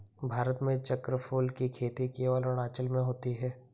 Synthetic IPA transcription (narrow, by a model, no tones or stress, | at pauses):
bʱaːɾət̪mẽt͡ʃəkɾəpʰoːlkikʰeːt̪ikeːɔːlɔɽ̃aːt͡ʃəlmẽɦoːt̪iɦɛː